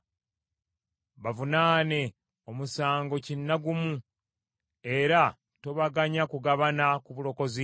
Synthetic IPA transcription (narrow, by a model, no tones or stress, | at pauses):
βavunaːne̞ | o̞musaːŋɡo̞cinːaɡumu | e̞ɾa | to̞βaɡaɲakuɡaβanakuβulo̞ko̞zi